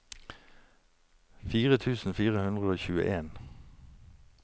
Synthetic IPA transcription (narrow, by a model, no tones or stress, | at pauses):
fiːʁət̪ʰʉːsn̩fiːʁəhʉnd̪ʁəoːçʉːə̰ʔeːn